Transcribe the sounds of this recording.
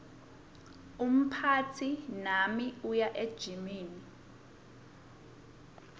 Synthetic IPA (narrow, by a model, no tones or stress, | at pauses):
um̩pʰatʰinamiujaʔed̥ʒ̥ʱimiːni